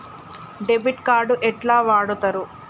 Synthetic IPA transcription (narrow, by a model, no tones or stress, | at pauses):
ɖebiʈkaːɾɖuʔɛʈlaːʋaːɽut̪ɐɾu